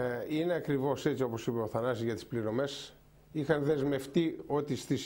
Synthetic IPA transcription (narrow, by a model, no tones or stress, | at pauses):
ineɐkɾivo̞se̞t̪t͡ssio̞po̞sipeoθɐnɐsizʝɐt̪i̥spliɾo̞me̞s | ixɐnðe̞zme̞ft̪io̞t̪ist̪is